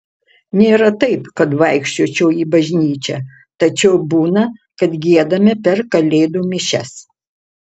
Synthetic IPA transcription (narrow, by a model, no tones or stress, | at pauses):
nʲeːɾɐt̪ɐɪpkɐt̪ʋɐɪkʃʲt͡ʃʲoːt͡ʃʲɛːiːbɐʒʲnʲiːt͡ʃʲɛ | t̪ɐt͡ʃʲɛʊbuːnɐkɐt̪ɡʲiɛd̪ɐmʲɪpʲɛɾkɐlʲeːd̪uːmʲɪʃʲɛs